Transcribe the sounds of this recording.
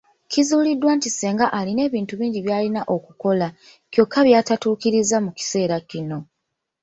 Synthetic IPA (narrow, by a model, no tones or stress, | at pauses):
cizuːlidːwaːntiseːŋɡaʔaline̞ːβiːntuβiːɲɟiβjaːlinaʔo̞kuko̞la | kjo̞kʰːaβjaːtatuːkiɾizamuci̥se̞ːɾacino̞